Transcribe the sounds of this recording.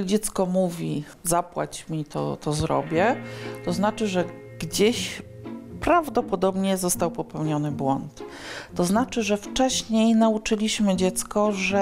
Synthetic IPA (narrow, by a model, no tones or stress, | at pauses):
d͡ʑɛt̪skɔmuvʲi | zapwa̰t͡ɕmʲit̪ɔ̰t̪ɔzɾɔ̰bʲjɛt̪ɔznat͡ʂɘʐɛ | ɡ̥d͡ʑeɕ | pɾavd̪ɔpɔd̪ɔbɲɛzɔst̪awpɔpɛwɲɔnɘbwɔnt̪ː | ɔznat͡ʂɘʐɛft͡ʂɛɕɲejnaut͡ʂɘlʲiɕmɘd͡ʑɛt̪skɔʐɛ